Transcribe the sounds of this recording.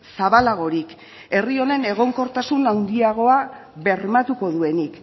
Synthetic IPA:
saβalaɣ̞o̞ɾik | e̞rio̞ne̞ne̞ɣ̞o̞ŋko̞ɾt̪asunawnd̪iaɣ̞o̞aβe̞ɾmat̪uko̞ðue̞nik

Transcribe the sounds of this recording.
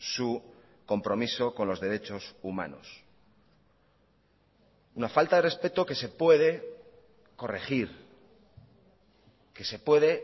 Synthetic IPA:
su | ko̞mpɾo̞miso̞ko̞nlo̞zðe̞ɾe̞t͡ʃo̞suma̰no̞̰s | unafalt̪aðere̞spe̞t̪o̞ke̞se̞pwe̞ð̞e̞ | ko̞re̞xiɾ | ke̞se̞pwe̞ðe̞

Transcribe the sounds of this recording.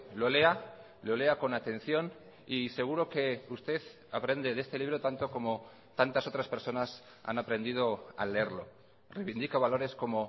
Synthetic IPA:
lole̞a | lo̞le̞ako̞nat̪e̞n̟θjo̞n | ise̞ɣ̞uɾo̞ke̞ust̪e̞θ | apɾe̞nd̪e̞ðe̞st̪e̞liβ̞ɾo̞t̪ant̪o̞ko̞mo | t̪ant̪aso̞t̪ɾaspeɾso̞nas | a̰napɾe̞nd̪ið̞o̞a̰leeɾlo̞̰ | rejβind̪ikaβalo̞ɾe̞sko̞mo̞

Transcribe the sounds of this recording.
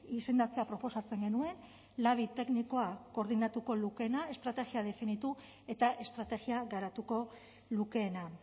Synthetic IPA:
ise̞nd̪at͡se̞apɾo̞po̞sat͡se̞ŋɡe̞nue̞n | laβit̪e̞kniko̞ako̞ɾðinat̪uko̞luke̞nae̞st̪ɾat̪e̞ɣiaðe̞finit̪u | e̞t̪aʔe̞st̪ɾat̪e̞ɣiaɣaɾat̪uko̞ | luke̞ːna

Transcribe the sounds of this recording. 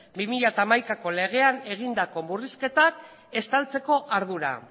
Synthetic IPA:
bimiʎat̪aːmajkako̞le̞ɣ̞e̞ane̞ɣ̞ind̪ako̞muriske̞t̪ak | e̞st̪alt͡se̞ko̞ʔaɾðuɾa̰

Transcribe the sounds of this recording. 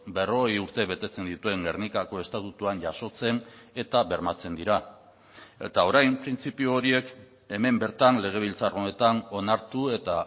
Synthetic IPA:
be̞ro̞ɣejuɾt̪e̞βe̞t̪e̞t͡se̞nd̪it̪ue̞ŋɡeɾnikako̞e̞st̪at̪ut̪uanʝaso̞t͡se̞ne̞t̪aβe̞ɾmat͡se̞nd̪iɾa | e̞̰t̪ao̞ɾajmpɾint͡sipiuoɾie̞k | e̞me̞mbe̞ɾt̪anle̞ɣ̞e̞β̞ilt͡saro̞ne̞t̪ano̞naɾt̪ue̞t̪a

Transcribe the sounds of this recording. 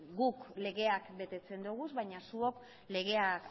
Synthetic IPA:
ɡukle̞ɣe̞akbe̞t̪e̞t͡se̞nd̪uɣ̞uzβajɲasuo̞k | le̞ɣ̞e̞ak

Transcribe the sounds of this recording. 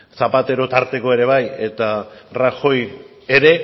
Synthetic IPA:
sapat̪e̞ɾo̞t̪aɾt̪e̞ko̞e̞ɾe̞β̞aje̞t̪araxo̞j | e̞ɾe̞

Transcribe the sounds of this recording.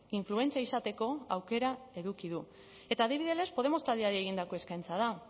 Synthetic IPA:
iɱflue̞nt͡siaisat̪e̞ko̞awke̞ɾae̞ðukiðu | e̞t̪aːðiβ̞iðe̞le̞spo̞ð̞e̞mo̞st̪ald̪iaɾieɣind̪ako̞e̞skajnt͡saða

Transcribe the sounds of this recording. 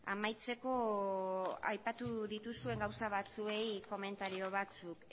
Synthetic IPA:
a̰majt͡se̞ko̞ | a̰jpat̪uðit̪usue̞ŋɡawsaβ̞at͡sue̞jko̞me̞nt̪aɾio̞β̞at͡suk

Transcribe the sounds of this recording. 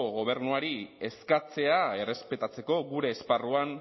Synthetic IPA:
ɣo̞β̞e̞ɾnuaɾie̞skat͡se̞ae̞re̞spe̞t̪at͡se̞ko̞ɣuɾe̞ːsparuan

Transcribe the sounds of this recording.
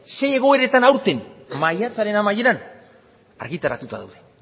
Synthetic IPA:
se̞je̞ɣ̞o̞e̞ɾe̞t̪anawɾt̪enmajat͡saɾe̞namaje̞ɾan | a̰ɾɣit̪aɾa̰t̪ut̪a̰ða̰wðe̞

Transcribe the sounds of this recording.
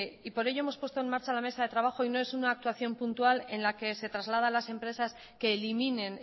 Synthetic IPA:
ipo̞ɾe̞ʝo̞emo̞spwest̪o̞e̞nmaɾt͡ʃalame̞saðet̪ɾaβ̞axo̞ino̞e̞sunaːk̚t̪waθjo̞mpunt̪uale̞nlake̞se̞t̪ɾazlað̞alase̞mpɾe̞sas | ke̞ːlimine̞n

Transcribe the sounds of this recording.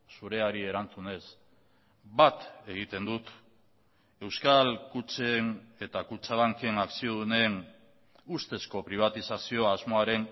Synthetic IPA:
suɾe̞aɾie̞ɾant͡sune̞s | bat̪e̞ɣit̪e̞nd̪ut̪ | e̞wskalkut͡ʃe̞ne̞t̪akut͡ʃaβaŋke̞naksio̞ðune̞n | ust̪e̞sko̞pɾiβ̞at̪isasio̞azmo̞aɾe̞n

